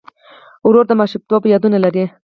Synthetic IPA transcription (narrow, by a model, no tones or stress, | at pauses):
ʊɾoɾd̪amaʃup̚t̪wɑpəjɑd̪unalaɾe